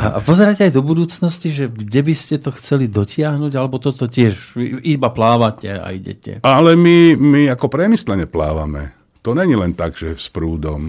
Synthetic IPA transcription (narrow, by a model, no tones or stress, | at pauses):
ʔa̰pɔzɛɾacɛajd̪ɔbud̪uːt͡snɔsciʒɛɡɟɛbiscɛt̪ɔxt͡sɛlid̪ɔcɪaɦnuɟalɛbɔt̪ɔt̪ɔcɪɛʃibaplaːʋacɛa̰iɟɛ̰cɛ̰alɛmimiakɔpɾɛmislɛɲɛpla̰ːʋa̰mɛ̰ | t̪ɔɲɛɲilɛnt̪aɡʒ̥ɛspɾuːd̪ɔm